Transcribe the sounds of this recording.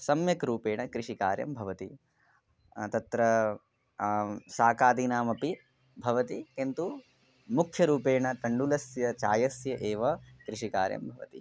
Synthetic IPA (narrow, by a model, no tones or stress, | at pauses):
sɐmjɐkɾuːpeːɳɐkɾiʂikaːɾjɐ̰mbʱɐʋɐt̪ḭ | t̪ɐt̪ɾɐ | saːkaːd̪inaːmɐpi | bʱɐʋɐt̪ikent̪u | mukʰjɐɾuːpeːɳɐt̪ɐɳɖulɐsjɐt͡ʃaːjɐsjɐʔeːʋɐkɾiʂika̰ːɾjɐ̰mbʱɐʋɐ̰t̪ḭ